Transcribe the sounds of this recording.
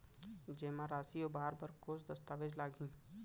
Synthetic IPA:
d͡ʒeːmãɾaːsiobaːəɾbəɾkoːsd̪ɐst̪aːʋed͡ʒlaːɡʱĩː

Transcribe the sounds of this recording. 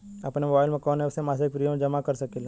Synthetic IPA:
ɐpnemobaːɪlmẽkɔːneʊsemaːsek̚pɾijomẽd͡ʒɐmakɐɾsɐkeːl

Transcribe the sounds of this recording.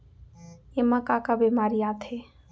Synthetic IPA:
emãkakabemaːɾiat̪ʰe

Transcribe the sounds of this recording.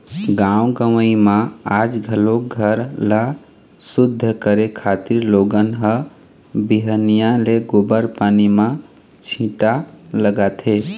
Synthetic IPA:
ɡãwɡəwəimãad͡ʒɡʱəloɡʱəɾla | sud̪ʱːəkəɾekʰat̪iɾloɡənɦə | biɦənijãleɡobəɾpanimã | t͡ʃʰĩʈaləɡat̪ʰɦe

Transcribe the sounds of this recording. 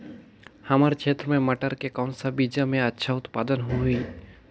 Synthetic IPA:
hɐmaːɾkʰeːt̪ɾəmẽmɐʈəɾkekaʊnsabid͡ʒamẽɐtːʃʰaʊt̪paːd̪ənɦui

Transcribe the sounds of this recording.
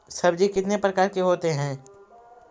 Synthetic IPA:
sɐbd͡ʒikɪt̪nepɾɐkaːɾkeɦoːt̪eɦɛ̃ː

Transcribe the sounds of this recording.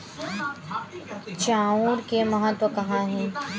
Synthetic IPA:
t͡ʃaːuːɾkemɐɦət̪wəkɐɦãɦɛ̃ː

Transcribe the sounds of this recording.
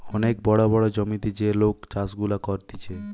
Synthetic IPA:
ɔnek̚bɔɽobɔɽod͡ʑɔmit̪id͡ʑeɾlokt͡ɕasɡulakɔɾt̪it͡ɕʰe

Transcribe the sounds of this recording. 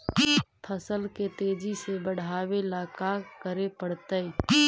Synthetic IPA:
pʰəsəlket̪eːd͡ʒisebəɽ̤aːwelaːkakəɾepəɽ̤t̪əi

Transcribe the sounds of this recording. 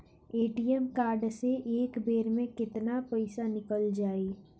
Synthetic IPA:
eːʈijəmkaːɾɖseʔeːkbeːɾmẽkɪt̪napɐɪsanɪkəld͡ʒaːiː

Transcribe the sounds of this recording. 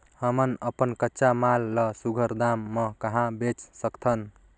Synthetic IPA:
həmənəpənkətːʃamalːʌsuɡʱəɾd̪amːʌkəɦãbet͡ʃsəkt̪ʰʌn

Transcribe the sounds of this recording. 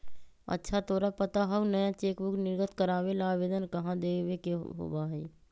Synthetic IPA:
ə̰tːʃʰat̪oːɾapət̪aɦəunəjãt͡ʃeːkbʊknɪɾɡət̪kəɾaːʋelaːʋeːd̪ənkɐɦãd̪eːʋekeɦo̰ːbaɦɛ̰ː

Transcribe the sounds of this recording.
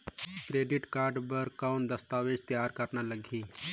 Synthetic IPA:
kɾeːɖɪʈkaːɾɖbəɾkaːnd̪ɐst̪aːʋeːd͡ʒt̪jaːɾkɐɾnalɐɡʱiː

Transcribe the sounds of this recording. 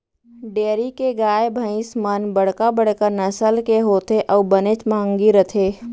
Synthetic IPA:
ɖeːɾikeɡaːjbʱə̃ɪ̃smənbəɽ̤kabəɽ̤kəɾnəsəlkeɦoːt̪eʔɔːbənet͡ʃmãːŋɡiɾət̪ʰeː

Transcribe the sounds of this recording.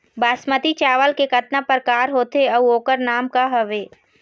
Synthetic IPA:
baːsmət̪it͡ʃaːʋəlkekɐt̪napəɾkaːɾɦoːt̪eɐuoːkəɾnaːmkaɦɐʋeː

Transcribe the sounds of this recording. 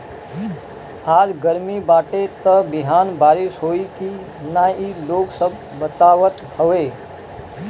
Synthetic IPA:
aːd͡ʒɡəɾmibaːʈet̪əbɪɦaːnbaːɾɪsɦoːiki | naːiloːɡsəb̚ːət̪aːʋət̪hoʋeː

